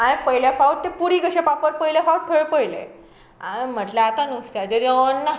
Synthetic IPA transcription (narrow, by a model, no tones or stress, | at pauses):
ãĩpəjljafauʈ̚t̪epuɽiɡəɕepapəɾpəjljafauʈ̚tʰeɭpəjlḛ | am̤əʈlaat̪anust̪jad͡ʑeɾəənːa